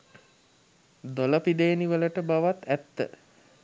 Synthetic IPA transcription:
d̪oləpid̪ejːniʋələʈəbaʋat̪æt̪ːə̰

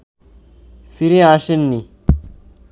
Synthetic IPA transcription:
fiɾiaʃinːi

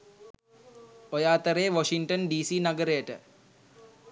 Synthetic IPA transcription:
ojaːt̪əɾeːʋoʃiŋʈənɖiːsiːnɐɡəɾejəʈə̰

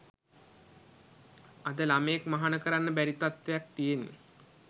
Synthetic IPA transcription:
ad̪əlaməjekmaɦanəkəɾanːəbæɾit̪at̪ʋejak̚t̪ijenːḛ

